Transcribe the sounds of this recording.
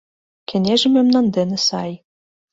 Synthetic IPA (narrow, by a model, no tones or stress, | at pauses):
kʲʰĕnʲeʒɘ̆memnɑnd̪enɘ̆sɑj